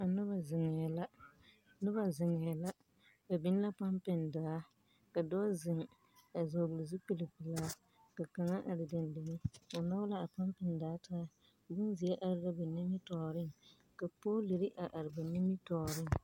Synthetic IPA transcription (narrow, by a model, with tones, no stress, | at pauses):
a˨nʊ˦ba˨zɪ˨ŋɛ˨la˦ | nʊ˦ba˨zɪ˨ŋɛ˨la˦ | ba˨bɪ˦n˦la˦pa˦mpɪ˨ndaː˨˦ | ka˨dɔː˦zɪ˨ŋ˨ | a˨zoː˨bʊ˨lɪ˨zu˦pi˦li˨pi˨laː˦ | ka˨ka˨ŋa˦ʔa˨ɾɪ˨dɪ˨ndɪ˨ŋɪ˦a˨na˦la˦a˨pa˦mpɪ˨ndaː˨˦taː˦˨ | bʊ˦n˦zɪ˨ja˦ʔa˨ɾɪ˦ɾa˦ba˨ni˦mi˦tɔː˨ɾɪ˦˨ŋ | ka˨poː˦le˨ɾɪ˦ʔa˨ʔa˨ɾɪ˨ba˨nɪ˦mi˦tɔː˨ɾɪ˦ŋ